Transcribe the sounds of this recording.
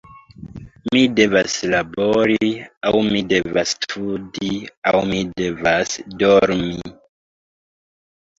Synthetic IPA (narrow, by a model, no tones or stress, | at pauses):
mide̞vaslaboɾiawmide̞vastʰudiawmide̞vasdoɾmi